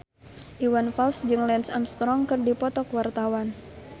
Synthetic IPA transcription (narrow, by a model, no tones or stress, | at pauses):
ʔiwanfalsd͡ʒɨŋlɛnsamst̪ɾɔŋkɨrdipɔt̪ɔkwart̪awan